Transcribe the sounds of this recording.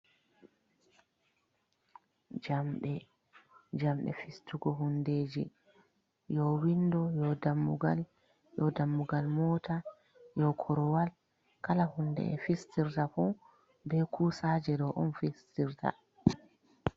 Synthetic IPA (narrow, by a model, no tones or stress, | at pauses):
d͡ʒamɗɛ | d͡ʒamɗɛ̰fistuɡɔɦundeːd͡ʒḭ | jɔwindɔjɔdamːuɡa̰l | jɔdamːuɡalmɔta | jɔkʰɔɾɔwal | kalahundɛ̰ɛ̰fistiɾtafu | bɛkʰuːsaːd͡ʒɛdɔʔɔnfistiɾtʰa̰